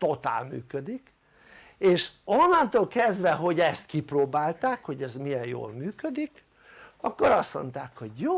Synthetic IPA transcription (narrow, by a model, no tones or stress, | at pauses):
t̪o̞t̪a̰ːlmy̰ːkød̪ik | eːʃonːɒnt̪oːlkɛzd̪ʋɛɦo̞ɟɛst̪kiproːbaːlt̪aːkho̞ɟɛzmiɛjjo̰ːlmyːkød̪ik | ɒkːoɾɒsmo̞̰nt̪aːkho̞ɟjoː